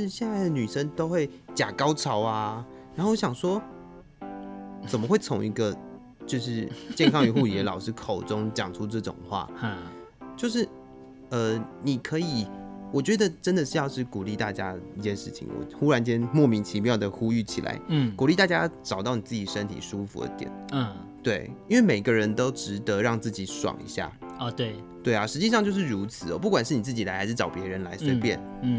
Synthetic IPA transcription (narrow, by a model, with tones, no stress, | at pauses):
ɕjɛ˥˧nt͡sa˥˩ɪd̪ə˩ny˨˩ʂə˦ŋt̪o˥ʊxwe˥˩ɪt͡ɕja˨˩kɑ˥ʊʈ͡ʂʰɑ˧˥ʊa˧ | ɻa˨˦nxo˥˩wɕjɑ˨˩ŋʂwɔ˥ | t͡sə˨˩nmə˦xwe˥˩ɪt͡sʰʊ˧˥ŋi˧˥ɡə˧ | t͡ɕjo˥˧ʊʂ̬ɻ̩˥˩t͡ɕjɛ˥˧nkʰɑ˥ŋy˧˥xu˥˩li˨˩d̪ə˦lɑ˨˩ʊʂɻ̩˥kʰo˨˩ʊʈ͡ʂʊ˥ŋt͡ɕjɑ˨˩ŋʈ͡ʂʰu˦˥ʈ͡ʂɤ˥˩ʈ͡ʂʊ̰˨˩ŋxwa̰˥˩ | t͡ɕjo˥˧ʊʂ̬ɻ̩˥˩ | ə˨ni˨˩kʰɤ˧˥i˨˩wɔ˨˩t͡ɕɥɛ˧˥d̪ə˨ʈ͡ʂə˥nd̪ə˨ʂɻ̩˥˧jɑ˥˧ʊʂɻ̩˥˩ku˨˩li˥˧t̪a˥˩t͡ɕja˥i˧˥t͡ɕjɛ˥˧nʂɻ̩˥˩t͡ɕʰḭ˨˦ŋwɔ̰˨˩xu˥ɻa˧˥nt͡ɕɛ˥nmwɔ˥˩mi˧˥ŋt͡ɕʰi˧˥mjʊd̪ə˩xu˥y˥˩t͡ɕʰḭ˨˩lʔa̰˧˦ɪ˥˩ku˨˩li˥˧t̪a˥˩t͡ɕja˦ʈ͡ʂɑ˨˩ʊt̪ɑ˥˩ʊni˨˩t͡sɹ̩˥˩t͡ɕi˨˩˨ʂə˦nt̪ʰḭ˨˩ʂu˥˦fṵ˧˥də̰˧t̪jɛ̰˨˩˦n˩ | t̪we˥˩ɪi˥nwe˥˩ɪme˨˩ɪɡə˦ɻə˧˦nt̪o˥ʊʈ͡ʂɻ̩˧˥t̪ə˧˦ɻɑ˥˧ŋt͡sɹ̩˥˩t͡ɕi˨˩ʂwɑ̰˨˩ŋḭ˧˥ɕja̰˥˩ɔ˧t̪we˥˩ɪ | t̪we˥˩ɪa˩ʂɻ̩˧˥t͡ɕi˥˧ʂ̬ɑ˥˧ŋt͡ɕjo˥˧ʊʂɻ̩˥˩ɻu˧˥t͡sʰɹ̩˨˩ɔ˩p̬u˥˩kwa˨˩nʂɻ̩˥˩ni˨˩t͡sɹ̩˥˩t͡ɕi˨˩a˧˥a˧ɪʂɻ̩˥˩ʈ͡ʂɑ˨˩ʊpjɛ˧˥ɻə˧˦nla˧˥ɪswe˥ɪpjɛ˥˩n̩˥˩